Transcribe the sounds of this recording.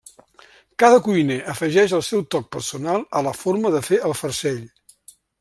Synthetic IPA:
kaðəkujneʔəfəʒɛʃəlˠsɛwt̪ɔk̚pərsunalˠələforməðəfeəlˠfərsɛʎ

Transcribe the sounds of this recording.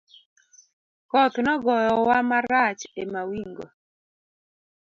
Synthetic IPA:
kɔt̪nɔɡɔjɔwamaɾat͡ʃemawiŋɡo̰

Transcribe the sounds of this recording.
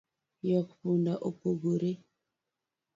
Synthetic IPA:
jɔk̚pundaʔopoɡoɾe

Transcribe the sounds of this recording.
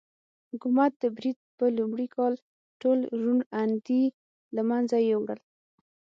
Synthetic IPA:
ɡumat̪̚d̪̥əbɾid̪̚pəlumɽikʰɑl | ʈolɾunand̪i | lamanzajewɽəl

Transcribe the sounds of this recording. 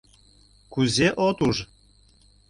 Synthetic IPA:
kuzeʔot̪uʒ

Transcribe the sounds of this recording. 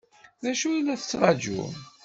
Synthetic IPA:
ðæʃujilːæθə̥t͡sːɾˤɑd͡ʒṵm

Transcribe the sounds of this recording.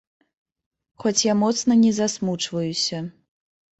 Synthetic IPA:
xɔt͡sʲjamɔt̪snɐnʲɛzasmut͡ʂvɐjusʲɐ

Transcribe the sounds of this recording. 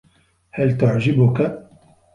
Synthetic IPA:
halt̪ʊʕd͡ʒɪbʊka

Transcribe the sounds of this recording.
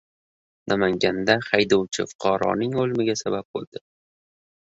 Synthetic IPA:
nʔamaŋɡʲand̪aχajd̪ɒwt͡ʃʰɪ̰fʊ̥qʰɑɾɒ̰nɪŋolˠmɪɡʲasabap̚bolˠd̪̥ɪ

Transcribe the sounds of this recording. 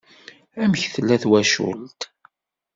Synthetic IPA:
æmçθəlːæθwæʃʊ̰lt̪

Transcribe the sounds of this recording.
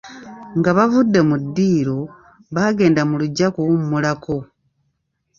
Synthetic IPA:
ŋɡaβavudːe̞mudːiːɾo̞ | βaɡe̞ːndamuluɟːakomumulakʰo

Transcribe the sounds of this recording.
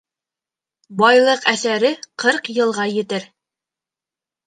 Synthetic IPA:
bɑjlˠɤqæθæɾɘqʰɤɾqjɤ̆lˠʁɑjɘ̆t̪ɘɾ

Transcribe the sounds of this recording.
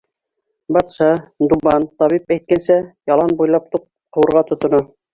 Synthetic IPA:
bɑt̪ʃɑd̪ubɑnt̪ɑβipæjt̪̚kænsæjɑlˠɑnbujlˠɑp̚t̪uq | qɤ̆wɤ̆ɾʁɑt̪ŏt̪ŏnɑ

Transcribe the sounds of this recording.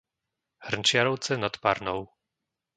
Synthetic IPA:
hr̩nt͡ʃjaɾowt͡sɛnat̪pa̰ɾnow

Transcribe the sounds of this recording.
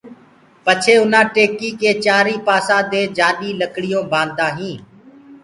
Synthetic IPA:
pət͡ʃʰeːʊnãːʈeːkiːkeːt͡ʃaːɾiːpaːsãːd̪eːd͡ʒaːɗiːləkɽɪjõːbʱãːnd̪aːɦĩː

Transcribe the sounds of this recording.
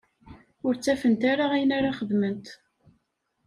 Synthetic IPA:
ʊɾt͡sːæfənt̪aɾaæjənaɾaχəðmənt̪

